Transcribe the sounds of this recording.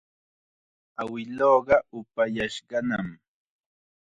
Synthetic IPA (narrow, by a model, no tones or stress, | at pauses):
awɪloːɢɑʊpajaʃɢɑnam